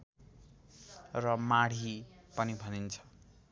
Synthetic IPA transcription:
rʌmaɽ̤ipʌnibʱʌnint͡sʰʌ̥

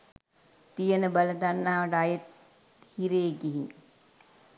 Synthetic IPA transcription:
t̪ijənəbaləd̪anːaːʋəʈəajət̪ | hiɾeːɡiɦiŋ

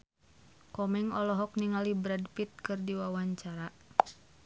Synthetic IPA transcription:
kɔmɛŋɔlɔɦɔk̚niŋalibɾadpit̪̚kɨrdiwawaɲt͡ʃaɾa

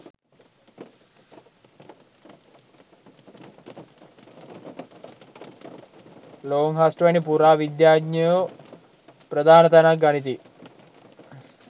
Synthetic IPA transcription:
loːŋɦasʈʋɐnipuɾaːʋid̪jaːɡɲijo | pɾɐd̪ʱaːnɐt̪ɐnaɡɐɳit̪̬i

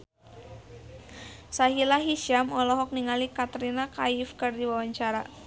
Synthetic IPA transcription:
saɦilaɦiʃamɔlɔɦɔk̚niŋalikat̪ɾinakaifkɨrdiwawaɲt͡ʃaɾa

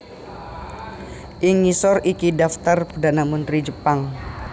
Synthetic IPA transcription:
ʔiŋisɔrikidaft̪arpərdanamənt̪ɾid͡ʒəpaŋ

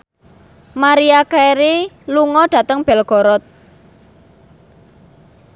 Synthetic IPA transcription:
maɾiakaɾi | luŋɔɖ̥a̤t̪əŋb̥ɛ̤lɡ̥ɔ̤ɾɔt̪̚

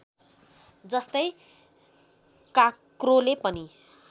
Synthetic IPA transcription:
d͡zʌst̪ʌj | kakrolepʌni

